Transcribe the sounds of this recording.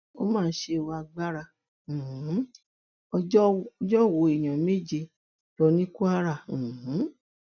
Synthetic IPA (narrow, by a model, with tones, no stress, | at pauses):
o̰˦mãː˦˧˨ʃe˧˦˨wa˧ɡ͡ba˦ɾã˧˨ | h̩˨˦ | ɔ˧˦˧d͡ʒɔ˦˨wo˨˦e˨j̃ã˨me˦˨d͡ʒe˧ | lɔ˧nĩ˦ku˦a˦ɾã˦˨h̩˨˦